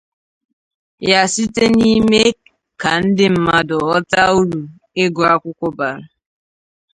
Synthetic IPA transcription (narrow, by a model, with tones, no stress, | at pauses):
ja˨si˦te˦ni˦me˦ | ka˨n̩˦dɪ˦m̩˨ma˨dɔ˨ɔ˦ta˦u˦ɾu˨ | e˦ɡʊ˨a˦kʷʊ˦kʷɔ˦ba˨ɾʊ˨